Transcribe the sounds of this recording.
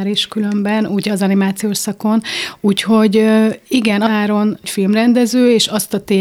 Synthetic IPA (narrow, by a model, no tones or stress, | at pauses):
ɛɾeːʃkylø̞mbɛnuːɟɒzɒnimaːt̪sijoːʃsɒko̞nuːcho̞ɟiɡɛnɒaːɾo̞ncfilmrɛnd̪ɛzøːeːʃɒst̪ɒt̪eː